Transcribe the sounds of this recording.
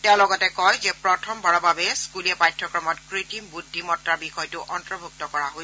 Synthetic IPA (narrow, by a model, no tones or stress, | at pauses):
tɛʊ̃lɔɡɔtɛkɔjzɛpɹɔtʰɔmbʱɔɹɔbabɛskulɛpajtʰɹɔkɹɔmɔtkɹitimbudʱːimɔtɹaɹbixɔjtʊʔɔntɹɔbʱuk̚tɔkɔɹaɦoj